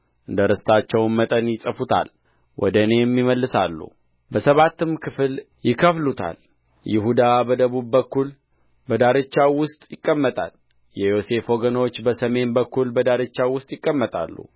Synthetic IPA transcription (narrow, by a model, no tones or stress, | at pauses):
ʔɨnd̪əɾɨst̪ʰat͡ʃːɛwnmət̪ʼənjɪsʼəfut̪ʰa̰l | wʔɔ̰d̪əne̞mːiməlːɨsalːṵ | bəsəβat̪ːɨmkʰɨfɨl | jɪkʰəflut̪ʰa̰l | jɪɦud̪abəd̪əβubːəkːul | bəd̪aɾɨt͡ʃːawʊst̪ʼjɪkʼːəmːət̪ʼa̰l | jɛjo̞se̞fo̞ɡəno̞t͡ʃːbəsəme̞nbəkːulbəd̪aɾɨt͡ʃːawʊst̪ʼjɪkʼːəmːət̪ʼa̰lːṵ